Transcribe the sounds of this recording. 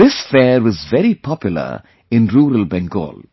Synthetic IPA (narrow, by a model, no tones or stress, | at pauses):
ɪsfɛːɾʋɔzʋɛɾipʰɔpjʊlə̰ | ɪ̃nɾuːɾəlbɛ̃ŋɡo̰ːl